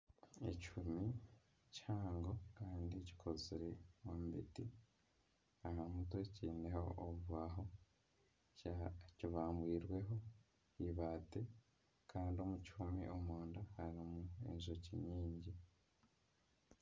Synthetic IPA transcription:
ḛcumi | caːŋɡo̞kaːndici̥kʰo̞ziɾewambiti | aɦamuto̞ciːneho̞ʔːβuβaɦo̞ | ciβaːmbwiːɾwe̞ɦo̞ | iβaːte̞ | kʰaːndio̞mucumḭʔomoːndahaɾimuḛzociɲiːɲɟi

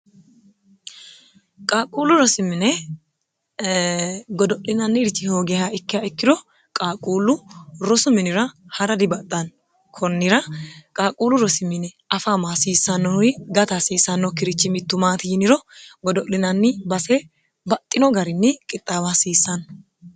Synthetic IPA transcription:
kʼaːkʼuːlʊɾɔsɪmːɪnɛ | ɡɔd̪ɔʔlɪnɐnːɪɾɪt͡ʃːɪhoːɡɛhaɪkːɪjaɪkːɪd̪ɔ | kʼaːkʼuːlʊɾɔsʊmɪnɪɾɐhɐɾɐd̪ɪbɐt̪ʼːɐn | kʰɔnːɪɾɐkʼaːkʼuːlʊɾɔsɪmːɪnɛ | ɐfaːmaːsiːsɐnːɔjɡɐt̪asiːsɐnːɔkɪɾɪt͡ʃːɪmɪt̪ːʊmaːt̪ɪjɪnɪɾɔɡɔd̪ɔʔlɪnɐnːɪbɐsɛ | bɐt̪ʼːɪnɔɡɐɾɪnːɛkʼɪt̪ʼːaːbasiːsːɐn

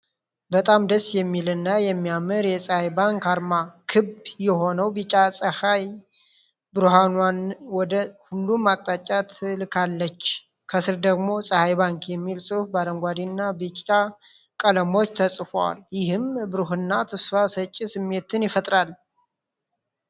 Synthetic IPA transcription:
bət̪ʼamd̪əsːjɛmːilɨnːajɛmːijamɨɾjɛsʼəhajbaŋkaɾmakʰɨbjɛɦo̞nəwbɨt͡ʃʼasʼəhaj | bɨɾuɦanwanwɔd̪əhulːumat̪ʼːat͡ʃʼat̪ʰɨlkʰalːət͡ʃː | kʰəsɨɾd̪əɡmo̞sʼəhajbaŋkjɛmːilsʼɨfbaɾəŋɡʷad̪inːabɨt͡ʃʼa | kʼələmo̞t͡ʃːt̪ʰəsʼfowa̰ljɪɦɨmbɨɾuɦɨnːat̪ʰɨsfasət͡ʃʼːisɨmːe̞t̪ɨnjɪfət̪ʼɾal

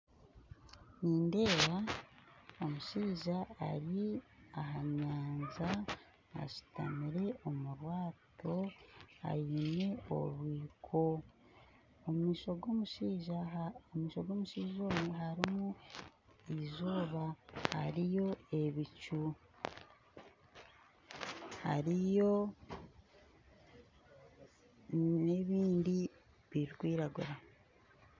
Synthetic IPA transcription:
niːnde̞ːɾa | o̞muʃiːʒa̰ːɾiaɦaɲaːnza | a̰ʃi̥ta̰miɾe̞ʔo̞muɾwaːto̞a̰jine̞o̞̰ɾwiːkʰo̞ | iʃoɡomui | omiːʃoɡo̞ːmuʃiːʒo̞ːmeɦaɾimu | izoːβaha̰ɾijo̞e̞βicu | ha̰ɾijo̞ | neβiːndi | βiɾikwiːɾaɡuɾa

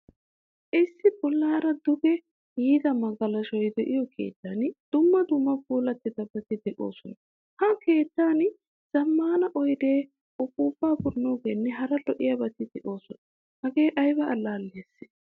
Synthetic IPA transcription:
ʔɪsːɪbɔlːaːɾɐd̪ʊbɛ | jiːd̪ɐmɐɡɐlɐʃɔjd̪ɛʔɪjɔkʰe̞̰ːt̪ːaːnɪd̪̥ʊmːɐd̪ʊmːɐbuːlɐt̪ːɪd̪ɐbɐt̪ɪd̪ɛʔo̞̰ːsɔnɐ | hɐke̞ːt̪ːaːnɪ | z̥ɐmːaːnɐʔɔjd̪e̞ː | ʊbuːbːaːbʊɾnoːɡeːnːɛɦɐɾɐlɔʔɪjɐbɐt̪ɪd̪ɛʔo̞ːsɔnɐ | hɐɡe̞ːʔɐjbɐɐlːaːlːeːs

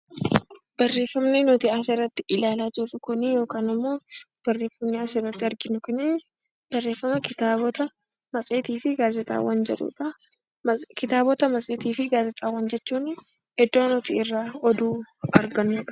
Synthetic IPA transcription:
b̥ɐrːe̞ːfːɐmnenɔt̪ɪaːsɪrːɐt̪ːɪʔɪlaːlaːt̪utʊkʊnijo̞ːkaːnɪmːo̞ːb̥ɐrːe̞ːfːɐmneaːsɪrːɐt̪ːɪɐɾɡɪnʊkɪnɪ | b̥ɐrːe̞ːfːɐmɐɪt̪ɐ | mɐsʼeːt̪iːfɪɡaːzɛt̪ʼa̰ːwɐnd͡ʒɛᶑṵᶑɐ | kɪt̪aːbɔt̪ɐmɐsʼeːt̪iːfɪɡaːzɛt̪ʼaːwːɐnd͡ʒɛt͡ʃːuːn | ɛd̪ːoːnɔt̪iːɪrːaːɔd̪uːɐɾɡɐnːuːᶑɐ̥

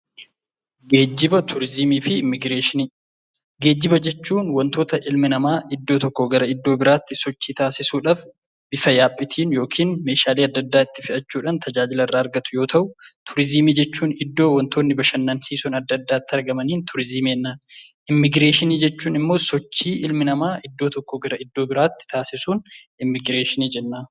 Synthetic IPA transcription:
ɡeːd͡ʒɪbɐt̪ʰʊɾɪzɪmiːfɪɪɡɾeːʃ | ɡeːd͡ʒːɪbɐd͡ʒɛt͡ʃːuːnwɐnt̪o̞ːt̪ɐʔɪlmɪnɐmaːʔɪd̪ːo̞ːt̪ɔkːoɡɐɾɐɪd̪ːo̞ːbɪɾaːt̪ːɪsɔt͡ʃːiːt̪aːsɪsuːᶑaːf | b̥ɪfɐjaːpʼːɪt̪ʰiːnjo̞ːkʰiːnme̞ːʃaːliːɐd̪ːɐd̪ːaːɪt̪ːɪ̥fɪʔɐt͡ʃːuːᶑɐnt̪ʰɐd͡ʒaːd͡ʒɪlɐrːaːɐɾɡɐt̪ʊ̥jo̞ːt̪ɐʔʊt̪ʰʊɾɪzɪmiːd͡ʒɛt͡ʃːuːnɪd̪ːo̞ːwɔnt̪ʰoːnːɪbɐʃɐnːɐnsiːsɔnɐd̪ːɐd̪ːaːt̪ːɪɐɾɡɐmɐniːnt̪ʰʊɾɪzɪmeːnːaːnɪmːɪɡɾeːʃɪniːd͡ʒɛt͡ʃːuːnɪmːo̞ːsɔt͡ʃːiːʔɪlmɪnɐmaːʔɪd̪ːo̞ːt̪ɔkːoɡɐɾɐɪd̪ːoːbɪɾaːt̪ːɪ̥t̪ʰaːsɪsuːnɪmːɪɡɾeːʃɪniːd͡ʒɛnːaː

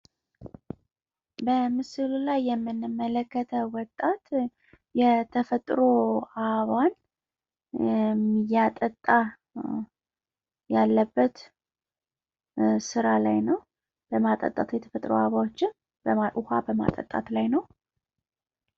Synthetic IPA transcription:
bəmɨsɨlulajːɛmːɨnːɨmːələkːət̪ʰəwɔt̪ʼːat̪ | jɛt̪ʰəfət̪ʼɾoʔaβan | mijat̪ʼət̪ʼːa | jalːəbːət̪ | sɨɾalajnəw | b̥əmat̪ʼə̰t̪ʼat̪jɛt̪ʰə̥fət̪ʼɾo̰aβawot͡ʃːɪn | ʔʊha̰bəma̰t̪ʼə̰t̪ʼːa̰t̪lajnəw

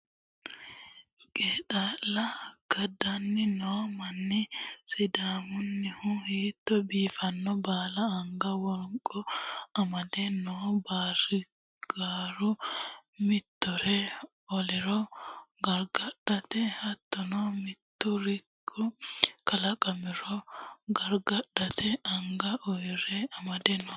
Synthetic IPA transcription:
kʼeːt̪alɐɡ̥ɐd̪ɐnːɪnoːmɐnːɪsɪd̪aːmʊnːɪhʊhiːt̪ːɔbiːfɐnːɔbaːlɐːŋɡɐwɔŋkʼːɔɐmɐd̪ɛnɔːbaːrɪ | ɡ̥aːɾʊ | mɪt̪ːɔɾɛ | ɔlɛɾɔɡɐɾɡɐɗːɐt̪ɛhɐt̪ːɔnɔmɪt̪ːʊɾɪkʰːʊkɐlɐkʼɐmɪɾɔɡɐɾɡɐɗːɐt̪ʰɛɐŋɡɐʔɔjɾɛɐmɐd̪ɛnːɔ

